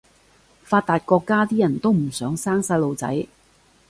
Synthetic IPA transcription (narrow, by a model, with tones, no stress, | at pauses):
faː˧t̪̚t̪ːaː˨t̚kɔː˧kːaː˥t̪iː˥jɐ˨˩nt̪o˥wm̩˨˩sœː˨˥ŋsaː˥ŋsɐː˧˥lo˨˧wt͡sɐ̰˨˥j